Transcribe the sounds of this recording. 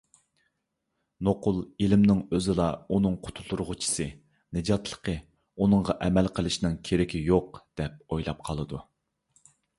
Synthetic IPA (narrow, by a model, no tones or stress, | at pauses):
noqʊlˠelɪmnɪŋøzɪlˠɑunɨŋqʰʊ̥t̪ʰulˠuɾʁʊt͡ʃʰi̥sɨ | nɪd͡ʒɑt̪lˠə̥qʰə | unɨŋʁɑʔɛmɛlqʰəlˠɨʃnɪŋkʲʰeɾɪkʲʰijoqd̪̥ɛp̚ojlˠɑp̚qʰɑlˠɨd̪u